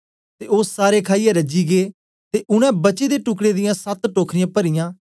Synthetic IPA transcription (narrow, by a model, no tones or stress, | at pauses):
t̪eːoːsaːɾeːkʰaːijãːɾəd͡ʒiːɡeː | t̪eːʔʊñɛ̃ːbət͡ʃeːd̪eːʈʊkɽeːd̪ɪjãːsət̪ʈoːkʰɾɪjãːpəɾɪjãː